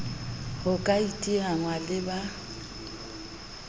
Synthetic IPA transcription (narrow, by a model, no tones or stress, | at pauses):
hʊkʼaitʼiɣaŋwalɪba